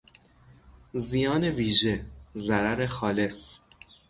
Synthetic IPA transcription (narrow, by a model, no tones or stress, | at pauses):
zijɒːne̞viːʒezæɾæɾexɒːle̞s